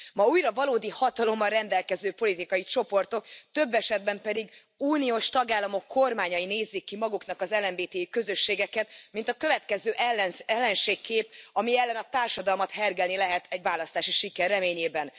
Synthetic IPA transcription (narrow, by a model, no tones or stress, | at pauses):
mɒuːjɾɒvɒloːd̪ihɒt̪ɒlo̞mːɒrrɛnd̪ɛlkɛzøːpo̞lit̪ikɒjit͡ʃo̞po̞rt̪o̞kt̪ø̞bːɛʃɛd̪̚bɛmpɛd̪iɡ | uːnioːʃt̪ɒɡaːlːɒmo̞kːo̞rmaːɲɒjineːzːikːimɒɡuknɒkɒzɛlɛmbeːt̪eːjikø̞zø̞ʃːeːɡɛkɛt̪mint̪ɒkø̞vɛt̪kɛzøːʔɛlːnɛlːɛnʃeːkːeːpɒmiɛlːɛnɒt̪aːrʃɒd̪ɒlmɒt̪hɛrɡɛlnilɛɦɛt̪ʰɛɟʋvaːlɒst̪aːʃiʃikɛrːɛmeːɲeːbɛn